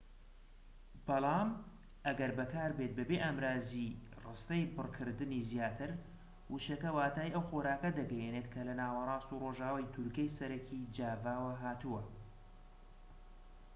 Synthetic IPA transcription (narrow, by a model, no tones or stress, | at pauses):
b̥ɑlˠɑːm | ʔɐɡɐɾbɐkaːɾbet̪̚bɐbeːʔaːmɾaːzi | rɨst̪ɐjbɨrkʰɨɾd̪ɨnizjaːt̪ʰɨɾ | wuʃɐkɐwaːt̪aːiʔɐwxoːɾaːkɐd̪ɐɡɛjeneːt̪kʰɐlɐnaːwɐrˤɑːst̪uroːʒaːwajt̪ʰuɾkɐjsɐɾɐkʰid͡ʒaːvaːwɐɦaːt̪uwɐ